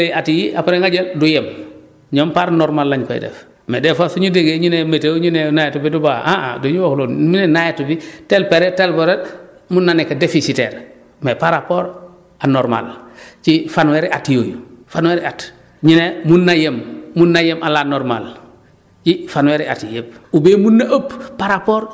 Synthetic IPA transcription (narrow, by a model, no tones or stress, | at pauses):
atijiʔapaɾeŋɡaɟedujem | ɲompaɾnɔɾmalːaɲko̰j̰dɛ̰f | medɛfasuɲudeɡeɲunemeteɲunenajetubidubaʔaa̰doɲuwohloːnmunenajetubitelpeɾetelpeɾemunːanikadefisitḛɾ | mepaɾapoːɾ | anoɾma̰lt͡ʃifanweɾʔatjoːjufanweɾat | ɲinemunːajemːunːajemʔalanɔɾma̰l | t͡ʃifanweɾa̰tijep̚ubemunːaʔoppːaɾapoːɾ